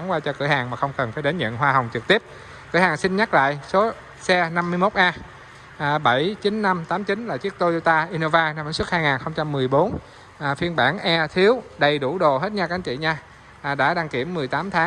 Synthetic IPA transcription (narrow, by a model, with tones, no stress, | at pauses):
a˨˦ŋwaː˧t͡ɕɔ˧kɨ̰˧˩əhaː˨˩ŋmaː˨˩xə˧wŋ͡mkə˨˩nfaː˧˩jɗe˨˦nɲə̰˧˨nɦwaː˧ɦa˨˩wŋ͡mt͡ɕɨ˨˩k̚t̪i˦˥əp̚ | kɨ̰˧˩əhaː˨˩ŋsi˧nɲa˦˥la̰ː˧˨jso˨˦ | sɛ˧na˧mːɨ˧əjmo˦˥t̚ʔaː˧˨˩ | ɓə˧˩jt͡ɕi˨˦nːa˧mt̪aː˨˦mt͡ɕi˨˦nlaː˨˩t͡ɕi˦˥ək̚t̪o˧zo˧t̪aː˧ʔi˧no˧vaː˧na˧mə˨˦swə˦˥t̚haː˧jŋaː˨˩nxə˧wŋ͡mt͡ɕa˧mːɨ˨˩əjɓo˨˦nː˨˩ | fi˧ənɓaː˧˩nʔɛ˧t̪ʰi˨˦əwɗə˨˩jɗu˧˩ɗo˨˩ɦe˦˥t̚ɲaː˧ka˧˩˦ŋt͡ɕḭ˧˨ɲaː˧˨˩ | ɗa̰ː˧˥ɗa˧ŋki˧˩əmːɨ˨˩əjt̪aː˨˦mt̪ʰaː˨˦ŋ